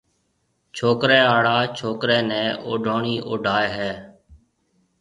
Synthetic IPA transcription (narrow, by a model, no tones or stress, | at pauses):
t͡ʃʰoːkɾɛːaːɽaːt͡ʃʰoːkɾɛːnɛ̃ːʔo̰ːɖʱoːɳiːʔoːɖʱaːeɦɛː